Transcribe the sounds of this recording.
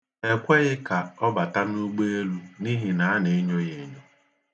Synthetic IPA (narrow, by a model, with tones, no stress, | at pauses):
e˨kʷe˦ɣɪ˦ka˨ɔ˦ba˨ta˦nu˦ɡ͡be˦e˦lu˦ni˦ɦi˨na˨a˦ne˨e˦ɲo˦je˨ɲo˦